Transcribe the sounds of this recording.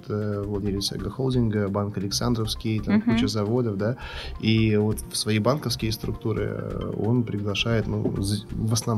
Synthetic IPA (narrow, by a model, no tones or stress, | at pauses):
t̪ʰəvlˠɐdʲelʲɪsʲə̰ɡəxolˠdʲɪnɡəbankəlʲɪksand̪ɾəfskʲɪjt̪amkut͡ɕʊzɐvo̞d̪əfd̪aivo̞t̪fsvɐjejbankəfskʲɪjəst̪ɾʊk̚t̪uɾɨ̰o̞̰npɾʲɪɡlˠɐʂajɪt̪nṵzvəsnɐ